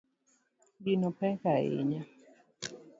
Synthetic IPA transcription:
ɡinopɛkaḛɲa

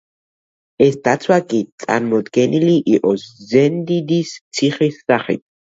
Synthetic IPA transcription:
ɛsd̪̥at̪sʰwakʼit̪sʼa̰ɾmɔd̪ɡɛniliʔiqʼɔszɛnd̪id̪ist̪sʰiχisːaχḭt̪̚ʰ

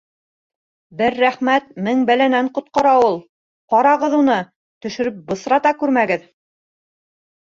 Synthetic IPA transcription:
bɘɾːæχmæt̪̚mɘŋbælænæɴqŏt̪̚qɑɾɑulˠ | qɑɾɑʁɤðunɤ | t̪ɵ̆ʃɵ̆ɾɵp̚bɤ̆sɾɑt̪ɑkʉɾmæɡɘð

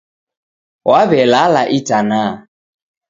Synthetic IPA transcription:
waβɛlalaʔitana

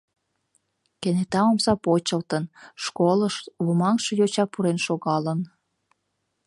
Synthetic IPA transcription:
kenet̪ɑomsɑpot͡ɕəlt̪ənʃkoləʃβumɑŋʃɤ̆jot͡ɕɑpuɾenʃoɣɑlən

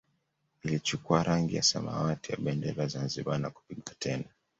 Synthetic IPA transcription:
ilit͡ʃukuaɾʔaŋɡija̰sama̰watija̰ɓɛndɛlazanziɓanaku̥piɠatʰɛna

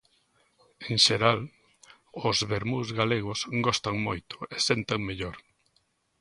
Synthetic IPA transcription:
eŋʃeɾal | ʊzβeɾmuzɣaleɣʊsɡɔst̪aŋmojt̪ʊ̥esent̪eŋmeʎoɾ

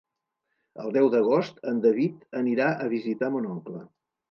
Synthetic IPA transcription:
ə̰lˠd̪ɛwd̪əɣ̞ost̪ənd̪əβit̪əniɾaʔəβizit̪amunɔŋklə

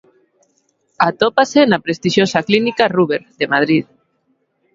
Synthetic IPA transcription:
at̪opasenapɾest̪iʃjosaklinikaruβeɾðemað̞ɾið

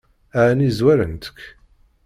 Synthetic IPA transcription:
æʕnizwæɾə̰nt̪ə̥kː

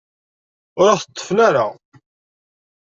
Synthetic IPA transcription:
ʊɾaθət̪ˤːə̥fnaɾa

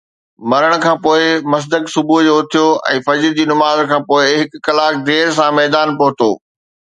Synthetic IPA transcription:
mɐɾəɽ̃kʰãːpoːɪmɐs̬d̪əksʊbʱud͡ʑoːʊt̪ʰijoʔɛ̰̃ːfɐd͡ʑɾd͡ʑiːnʊmaːzkʰãːpoːɪɦɪkːɐlaːk̚d̪eːɾs̬ãmɛːd̪aːnpoɦʊt̪o̰ː

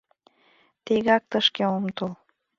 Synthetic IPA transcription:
t̪iɣɑk̚t̪əʃkeomt̪ol

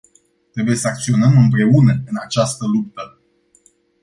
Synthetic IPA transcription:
t̪ɾe̞buje̞səak̚t̪sio̞nəmɨmpɾe̞unəɨnat͡ʃast̪əlup̚t̪ə

